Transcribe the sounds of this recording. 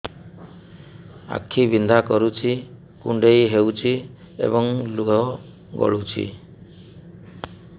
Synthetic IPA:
a̰kʰːibind̪ʱakɔɾut͡ʃʰi | kuɳɖejɦewt͡ʃʰi | ḛbɔŋluɔ | ɡɔ̰ɭut͡ʃʰḭ

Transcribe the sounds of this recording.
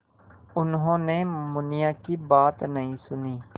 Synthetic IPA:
ʊnɦõːnemʊnijakibaːt̪nɐɦĩsʊniː

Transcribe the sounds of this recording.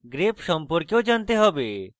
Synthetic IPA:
ɡɾepʃɔmpɔɾkjod͡ʒant̪eɦɔbe

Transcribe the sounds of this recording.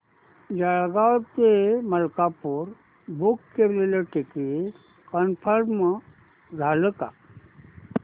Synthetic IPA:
d͡ʒaɭɡawt̪eməlkapuɾ | bukːeleloʈeki | kənpʰəɾm | d͡zʱaləka̰

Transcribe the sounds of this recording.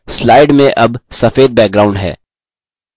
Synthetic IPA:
slaːɪɖmẽʔɐbsɐfeːd̪̚bɛːk̚ɡɾaːʊ̃ɳɖɦɛ̰ː

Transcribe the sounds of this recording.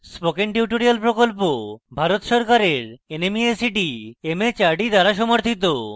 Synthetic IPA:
spokenʈuʈoɾijalpɾokolpobʱaɾot̪ʃɔɾkaɾeɾenemiesiʈiemet͡ɕaɾɖid̪aɾaʃ̬ɔmoɾt̪ʰit̪̬o

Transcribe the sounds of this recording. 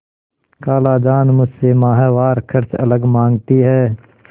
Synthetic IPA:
kaːlaːd͡ʒaːnmʊd͡ʒsemaːɦaːʋaːɾkʰəɾt͡ʃɐ̰ləɡmãːŋɡt̪iɦɛː

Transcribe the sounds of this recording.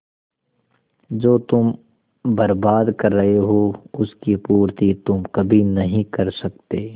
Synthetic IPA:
d͡ʒoːt̪ʊm | bɐɾbaːd̪kɐɾːɐɦeɦoːʊskipuːɾt̪it̪ʊmkɐbʱinɐɦĩkɐɾsɐkt̪eː

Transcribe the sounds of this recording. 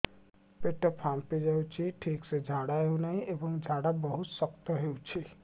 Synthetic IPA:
peʈɔpʰamped͡ʒawt͡ʃʰiʈʰiksed͡ʒʱaɽaeũnaɦĩʔebɔŋd͡ʒʱaɽabɔɦut̪sɔk̚t̪ɔɦeut͡ʃʰi

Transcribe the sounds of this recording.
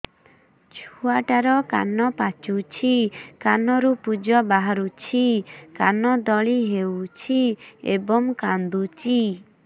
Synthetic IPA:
t͡ʃʰuaʈaɾɔka̰nɔpat͡ʃut͡ʃʰikanɔɾupud͡ʒɔbaɦaɾut͡ʃʰikanɔd̪ɔɭiɦewt͡ʃʰiḛbɔŋkand̪ut͡ʃi

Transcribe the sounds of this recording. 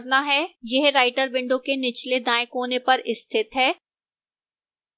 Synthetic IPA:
ɾnaɦɛːjeɦɾaːɪʈəɾbɪ̃ɳɖõkenɪt͡ʃʰled̪ãːɪ̃kɦoːnepɐɾɪst̪ʰɪt̪ɦɛː

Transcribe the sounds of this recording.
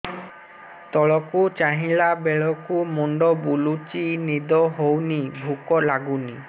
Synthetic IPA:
t̪ɔɭɔkut͡ʃaɦĩlabeɭɔkumuɳɖɔbulut͡ʃinid̪ɔɦownibʱukɔlaɡuni

